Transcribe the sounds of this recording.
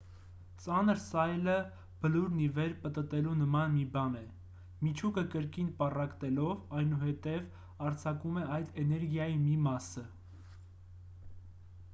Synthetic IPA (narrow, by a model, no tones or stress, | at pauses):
t͡sɑnəɾsɑjlə | b̥əluɾnivɛɾpət̪ət̪ɛlunəmɑnmibɑnɛ | mit͡ʃʰukəkəɾkinpɑrɑkt̪ɛlɔvɑjnuhɛt̪ɛv | ɑɾt͡sʰɑkumɛɑjd̪ɛnɛɾɡjɑjimimɑsə